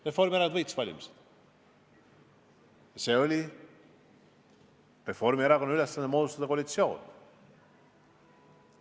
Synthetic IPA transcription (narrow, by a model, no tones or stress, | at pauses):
refo̞rmieɾɑk̪ɤjt̪svɑlʲḭmised̪̥ | jɑse̞ːolʲi | re̞fo̞rmieɾɑkonːɑylesːɑnd̪emoːd̪ust̪ɑd̪ɑkoɑlit̪sio̞̰ːn